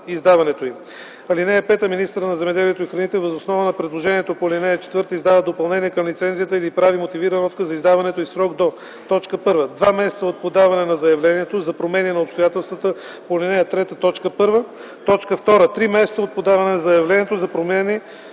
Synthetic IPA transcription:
izd̪avɐnɛt̪oim | ɐlinɛəpɛt̪əminist̪əɾnɐzɛmɛd̪ɛliɛt̪oixɾɐnit̪ɛvəzosnɔvənɐpɾɛd̪lˠoʒɛniɛt̪opolʲinɛjət͡ʃɛ̥t̪vɤɾt̪əizd̪avəd̪opɐlˠnɛniɛkɐmlit̪sɛnzijət̪əilipɾavimot̪iviɾənɔt̪kəzɐizd̪avɐnɛt̪oisɾɔɡd̪o | t̪ɔt͡ʃkəpɤɾvəd̪vamɛsɛt̪səot̪̚pod̪avɐnɛnɐzɐjɐvlɛniɛt̪ozɐpɾomɛninɐopst̪ojat̪ɛlˠst̪vət̪ə | polʲinɛjɐt̪ɾɛt̪ət̪ɔt͡ʃkəpɤɾvə | t̪ɔt͡ʃkəft̪ɔɾət̪ɾimɛsɛt̪səot̪̚pod̪avɐnɛnɐzɐjɐvlɛniɛt̪ozɐpɾomɛni

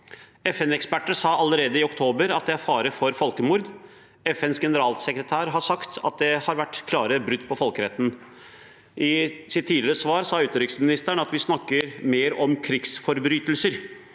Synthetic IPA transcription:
ɛfɛnɛkspæʈːəsɑːɑləɾeːd̪əɪɔkt̪ʰoːbəɾɑt̪̚d̪ɛæɾfɑːɾəfɔɾfɔlkəmʊːɾd̪ | ɛfɛnsɡɛnəɾɑːlsɛkɾət̪ʰæːɾɦɑʂɑkt̪ʰɑ̰t̪̚d̪ɛhɑɾʋæʈːkʰlɑːɾəbɾʉd̪ːpʰɔfɔlkəɾɛt̪ːn̩ | ʔɪsɪt̪ʰːiːd̪lɪɾəsʋɑːɾsɑːʉːt̪əɾʏksmɪnɪst̪æɳɑt̪ʋɪsnɑkːəɾmeːɾɔmkʰɾɪksfɔɾbɾyːt̪əlsəɾ

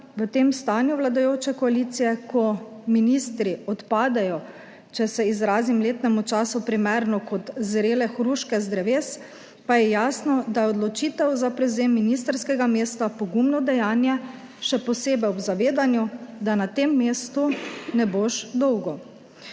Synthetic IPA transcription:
ʋət̪eːmst̪aːnjuʋlad̪ajoːt͡ʃɛkɔaliːt̪sijɛkʰɔminist̪ɾiɔt̪paːd̪ɛjɔ | t͡ʃɛsɛizɾaːzimleːt̪nɛmut͡ʃaːsupɾimɛɾnɔkɔt̪zɾeːlɛxɾuːʃkɛzd̪ɾɛʋeːs | pajɛjaːsnɔd̪ajɛɔd̪lɔt͡ʃit̪ɛwzapɾɛwzeːmːinist̪əɾskɛɡameːst̪apɔɡumnɔd̪ɛjaːnjɛ | ʃɛpɔseːbɛjɔbzaʋeːd̪anjud̪anat̪emːeːst̪unɛboʃd̪ɔwɡɔ

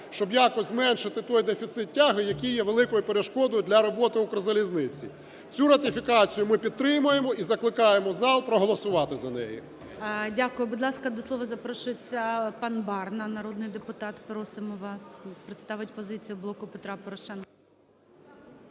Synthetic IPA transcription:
ʃt͡ʃɔbjakɔzʲzmɛnʃɪt̪ɪt̪ɔjd̪efʲit̪sɪt̪̚tʲːaɦɪjɐkʲijːɛʋelˠɪkɔjʊpeɾeʃkɔd̪ɔjʊd̪lʲɐɾɔbɔt̪ɪʊkɾɔzɐlʲiznɪt͡sʲḭ | t͡sʲuɾɐt̪ʲɪfʲikɑt͡sʲijʊmɪpʲid̪̚t̪ɾɪmʊjemɔizɐklˠɪkɑjemɔzɑlˠpɾɔɦɔlˠɔsʊʋɑt̪ɪzɐnɛ̰jḭ | dʲakʊjʊbʊd̪lˠɑskɐd̪ɔslˠɔʋɐzɐpɾɔʃʊjet͡sʲːɐpɑnbɑrnɐnɐɾɔd̪nɪjd̪epʊt̪ɑt̪pɾɔsɪmɔʋɑspɾɪt̪st̪ɑʋɪtʲpɔzɪt͡sʲijʊblˠɔkʊpet̪ɾɑpɔɾɔʃɛnkɐ

